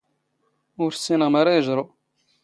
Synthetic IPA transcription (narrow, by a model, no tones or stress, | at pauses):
ʊɾsːinəʁmaɾajəʒɾˤo